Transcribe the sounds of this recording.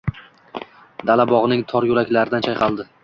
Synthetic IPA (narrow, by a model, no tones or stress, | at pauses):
d̪alabɒʁnɪŋt̪ʰɒɾjʊlakʲlaɾɪd̪ant͡ʃʰajqʰɑlˠd̪ɪ